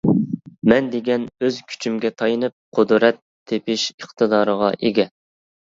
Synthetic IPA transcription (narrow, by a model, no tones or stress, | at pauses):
mɛnd̪eɡʲɛnøzkʲʰy̥t͡ʃʰymɡʲɛt̪ʰɑjɨnɨp̚qʰʊd̪ɾɛt̪ʰːepɪʃəχt̪ʰɨd̪ɑːɾəʁɑʔeɡʲɛ